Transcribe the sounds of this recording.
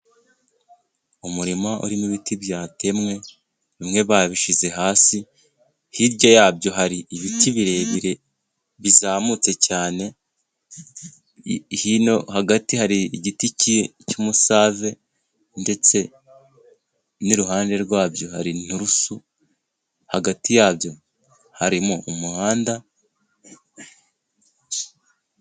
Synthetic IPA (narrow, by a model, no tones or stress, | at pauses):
umuɾimaʔṵɾimuβitibjaːte̞mŋe̞ | βimŋe̞βaːβiʃize̞ɦaːsi | hiɾɟojaːbɟo̞ɦaɾiiβitiβiɾe̞βiɾe̞ | βizaːmut͡se̞caːne̞ | hino̞haɡatiɦaɾiːɟiticicumusave̞ | nde̞t͡se̞ | niɾuɦaːnde̞ɾɡwaːbjo̞haɾin̥uɾusu | haɡatijaːbjo̞ | haɾimuumuhaːnda